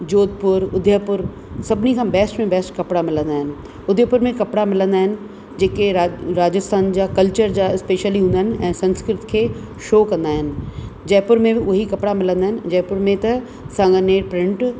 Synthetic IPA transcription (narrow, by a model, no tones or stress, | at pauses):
d͡ʑoːd̪̚pʊɾʊd̪ʱjəpʊɾ | sɐbnikʰãːbɛːsʈmẽbɛːsʈkɐpɽamɪlə̃nd̪aːɦɪnɪ̆ | ʊd̪ʱjəpʊɾmẽkɐpɽamɪlə̃nd̪aːɦɪnɪ̆ | d͡ʑeːkeɾaɾaːd͡ʑəst̪ʰaːnd͡ʑakɐlt͡ɕəɾd͡ʑaːɪspeːʃəliɦũnd̪əɦnɪ̆ɛ̃ːsɐ̃nskɾɪt̪kʰeː | ʃoːkɐ̃nd̪aːɦɪnɪ̆d͡ʑɐːpʊɾmẽɪʔʊɦikɐpɽamɪlə̃nd̪aːɦɪnɪ̆d͡ʑɛːpʊɾmẽt̪ɐ | sãːŋɡəneːɾpɾɪ̃ɳʈ